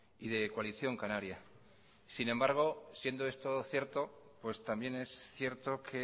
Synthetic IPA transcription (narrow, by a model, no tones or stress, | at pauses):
iðe̞kwaliθjo̞ŋkanaɾja | sinembaɾɣ̞o̞sje̞nd̪oe̞st̪o̞θje̞ɾt̪o̞pwe̞st̪ambje̞ne̞sθje̞ɾt̪o̞kʰe̞